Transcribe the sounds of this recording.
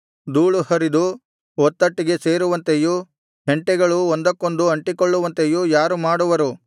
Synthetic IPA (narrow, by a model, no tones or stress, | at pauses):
d̪uːɭuhɐɾid̪u | ɔt̪ːɐʈːiɡe̞se̞ːɾuʋɐnt̪eju | ɦeɳʈɛɡɐɭuond̪ɐkːond̪uɐɳʈikoɭːuʋɐnt̪ejujaːɾumaːɽuʋɐɾu